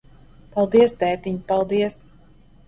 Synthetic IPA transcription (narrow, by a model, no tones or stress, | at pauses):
palˠd̪iɛsd̪ɛːt̪iɲpalˠd̪iɛs